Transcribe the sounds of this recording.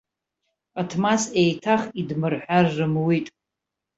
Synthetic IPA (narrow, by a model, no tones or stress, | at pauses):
atʰmasejtʰaχidmɨrħʷᶣarːɨmwitʼ